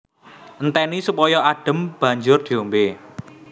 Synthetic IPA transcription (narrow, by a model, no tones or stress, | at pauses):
ʔənt̪ɛnisupɔjɔʔaɖ̥ə̤mb̥ä̤ɲd͡ʒʊrd̪̥ombe